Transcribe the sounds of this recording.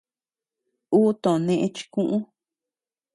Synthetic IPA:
uː˦t̪õ˨ʔnẽ˧ʔẽ˦t͡ʃi̥˧kũ˦ʔũ˦

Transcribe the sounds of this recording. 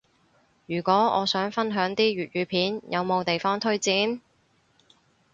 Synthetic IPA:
jyː˨˩kʷɔː˨˥ɔ̰ː˨˧sœː˨˥ŋfɐ˥nɦœː˨˥ŋt̪iː˥ɥyː˨t̚jyː˨˧pʰiː˨˥njʔɐ˨˧wmo˨˧wt̪e˨jfɔː˥ŋt̪ʰɵ˥ɥt͡siː˨˥n

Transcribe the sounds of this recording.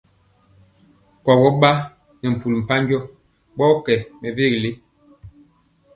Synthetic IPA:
kɔ˨ɡɔ˦ɓa˦ | ne˨m̩˨pu˨lm̩˨pa˦ŋ˦ɡjɔ˦ | ɓɔ˦kɛ˨me˨ve˦˨ɣle˦

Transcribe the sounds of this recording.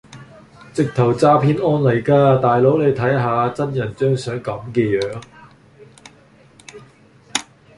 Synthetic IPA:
t͡sɪ˨k̚t̪ʰɐ˨˩wt͡saː˧pʰiː˧nɔː˧nlɐ˨˩jkaː˧t̪aː˨jlo˨˥wle˨˧jt̪ʰɐ˨˥jɦaː˨˧t͡sɐ˥njɐ˨˩nt͡ʃœː˥ŋsœː˨˥ŋkɐ˨˧mkɛː˧jœː˨˥ŋ

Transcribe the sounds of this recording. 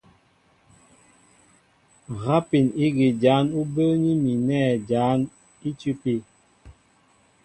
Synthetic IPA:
ɣa˦pi˨ni˦ɡi˨d͡ʒaː˨˦nu˦bə˦ɲi˦mi˨nɛː˦˨d͡ʒaː˨˦n | i˦tu˦pi˦

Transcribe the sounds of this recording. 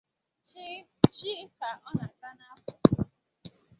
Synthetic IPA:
t͡ʃi˦ka˨ɔ˦na˨˦ta˦na˨a˦kʊ˨

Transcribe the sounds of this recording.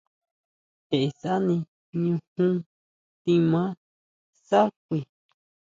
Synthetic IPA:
he˨ʔe˧sa˦nĩ˧ | ɲũ˧hũ˦ | t̪ĩ˧mã˦ | sa˦k̚ʷi˧˨

